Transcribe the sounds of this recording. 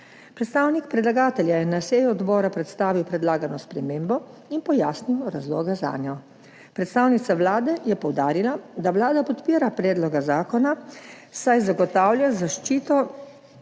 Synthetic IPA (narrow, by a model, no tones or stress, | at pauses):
pɾɛt̪st̪aːwnikpɾɛd̪laɡaːt̪ɛljajɛnaseːjuɔd̪bɔːɾapɾɛt̪st̪aːʋiwpɾɛd̪laːɡanɔspɾɛmeːmbɔ | inpɔjaːsniwɾazlɔːɡaza̰ːnjɔ | pɾɛt̪st̪aːwnit̪saʋlaːd̪ɛjɛpɔwd̪aːɾilad̪aʋlaːd̪apɔt̪piːɾapɾɛːd̪lɔɡazaːkɔna | sajzaɡɔt̪aːwljazaʃt͡ʃiːt̪ɔ